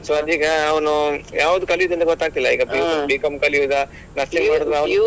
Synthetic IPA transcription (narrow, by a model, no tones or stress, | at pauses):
sɐd̪iːɡɐːʋɐnujaːʋud̪ukɐliʋid̪ind̪ɐɡɔt̪ːaːɡ̚t̪ilːɐḭːɡɐbibiːkɐmkɐliʋid̪ɐ | nɐsniŋɡmaːɽɔd̪ɾɐʋɐn